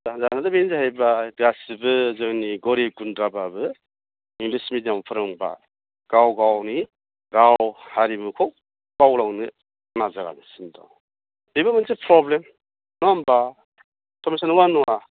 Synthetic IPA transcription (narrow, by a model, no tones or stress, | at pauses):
zazanadabenzahajbadɡasibɯzɯŋniɡɔɾiɡundɾababɯ | iŋlismitjampʰɯɾɯŋba̰ | ɡ̥awɡawni | ɡawhaɾibɯkʰɔw | b̥awlaŋnɯ | nazaɡa̰nisindɔ̰w | bibamansepʰɾɔblem | nɔamba | kʰɔmisanwanuwa